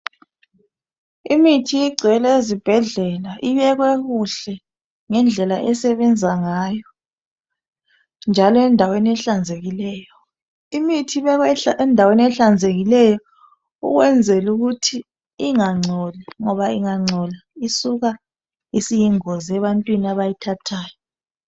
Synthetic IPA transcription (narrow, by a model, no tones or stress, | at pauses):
imitʰiiɡ͡ǀʱɛlɛezib̥ʱɛɮɛlaʔiβɛɣwɛɣuɬɛ | ŋɛnd͡ɮʱɛlaʔɛsɛβɛnd͡zʱaŋajɔ | nd͡ʒʱalɔɛndʱaweniɛɬand͡zʱeɣilɛːjɔ | imitʰiβɛɣwɛɛndʱaweniɛɬand͡zʱeɣilɛjɔ | ṵɣwɛnd͡zʱɛluɣutʰi | iŋaŋ͡ǀʱɔlɛŋɔβaiŋaŋ͡ǀʱɔlaisuɣa | isijiŋɔzɛβantʼwinaβajitʰatʰaːjɔ